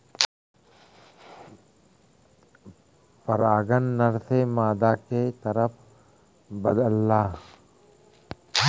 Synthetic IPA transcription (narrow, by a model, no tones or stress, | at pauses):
pɐɾaːɡənːəɾsemaːd̪aket̪əɾəpʰ | bəd̪əlːaː